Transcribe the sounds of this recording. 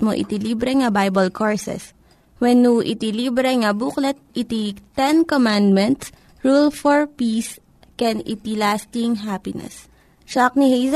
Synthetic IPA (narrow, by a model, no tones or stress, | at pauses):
mo̰ʔɪ̰t̪iliːbɾɛŋɐbajbɐlkʰoɹsɛ̰s | wɛnːuʔɪ̰t̪ilibɾɛŋɐbuklɛt̪̚ɪt̪it̪ɛnkomand̪̚mɛ̃nt̪s | ɹulfɔɹpiːs | kɛnɪt̪ilast̪ɪŋɦaːpɪnɛ̰s | ʃak̚nihejs